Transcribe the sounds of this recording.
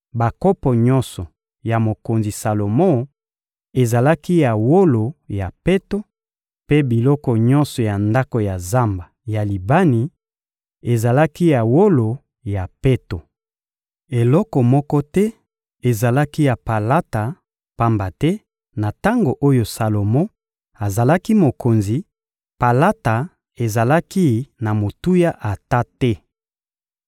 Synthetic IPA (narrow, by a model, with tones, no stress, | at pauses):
ba˨kɔ˦pɔ˨ɲɔ̃˦nsɔ˨ | ja˨mo˨ko˨nzi˨sa˨lo˨mo˦ | e˨za˨la˦ki˦ja˨wo˦lo˨ja˨pe˦to˦ | pe˦bi˨lɔ˦kɔ˨ɲɔ̃˦nsɔ˨ja˨nda˦ko˨ja˨za˦mba˨ja˨li˨ba˦ni˨ | e˨za˨la˦ki˦ja˨wo˦lo˨ | ja˨pe˦to˨ | e˨lɔ˦kɔ˨mɔ˦kɔ˦tɛ˦ | e˨za˨la˦ki˦ja˨pa˨la˦ta˨ | pa˦mba˨tɛ˦ | na˨ta˦ŋɡo˨ʔo˦jo˨sa˨lo˨mɔ˦ | a˨za˨la˦ki˦mo˨ko˨nzi˨ | pa˨la˦ta˨ | e˨za˨la˦ki˦na˨mo˨tu˦ja˦ʔa˨ta˦tɛ˦